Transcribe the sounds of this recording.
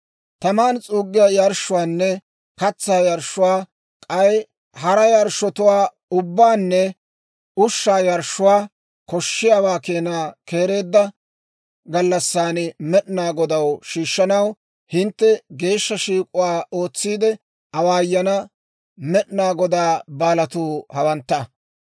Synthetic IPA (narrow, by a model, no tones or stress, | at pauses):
t̪ɐmaːnt͡sʼuːɡːɪjajɐɾʃːʊwaːnːɛ | kɐt͡sːaːjɐɾʃːʊwaː | kʼɐj | hɐɾɐjɐɾʃːɔt̪ʊwaː | ʊbːaːnːɛ | ʊʃːaːjɐɾʃːʊwaː | kɔʃːɪjaːwaːkeːnaːkeːɾe̞ːd̪ːɐ | ɡɐlːɐsːaːnmɛɗnaːɡɔd̪ɐwʃiːʃːɐnɐw | hɪnt̪ːɛɡe̞ːʃːɐʃiːkʼʊwaːoːt͡sːiːd̪ɛ | ɐwaːjːɐnɐ | mɛɗnaːɡɔd̪aːbaːlɐt̪uːhɐwɐnt̪ːɐ